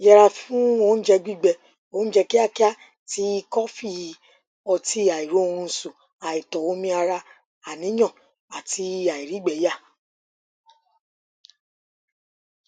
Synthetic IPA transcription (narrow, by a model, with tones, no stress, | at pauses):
jɛ˧ɾa˧fũ˦o˦n̩˦d͡ʒɛ˧ɡ͡bi˦˨ɡ͡bɛ˧˨ | o˨˦d͡ʒɛ˧ki˦a˦ki˦a˦ | ti˧˦i˧kɔ˦fi˦˨ji˨˧ | ɔ˧ti˦a˨i˨ɾo˨˦o˦˧ũ˧n̩˧˨su˨ | a˨i˨tɔ˨wo˦mĩ˧a˧ɾa˧ | a˨nĩ˨˦ɲɔ̃˦˨ | a˨ti˧˦a˨i˨ɾi˨˦ɡ͡bɛ˨˦ja˦˨